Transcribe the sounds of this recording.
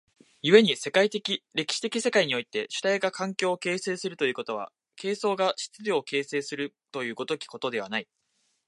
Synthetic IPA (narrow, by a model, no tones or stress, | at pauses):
jɯ̟βe̞ɲ̟ise̞kait̪ekʲiɾe̞kʲi̥ɕi̥t̪e̞kʲise̞kaiɲ̟io̞it̪e̞ɕɨ̥t̪aiɡakʰãŋkʲo̞ːke̞ːse̞ːsɨɾɯ̟t̪o̞jɯ̟ːko̞t̪o̞βa̰ | kʰe̞ːso̞ːɡaɕi̥t͡sɨɾʲoːke̞ːse̞ːsɨɾɯ̟ | t̪o̞jɯ̟ːɡo̞t̪o̞kʲi̥ko̞t̪o̞d̪e̞β̞anai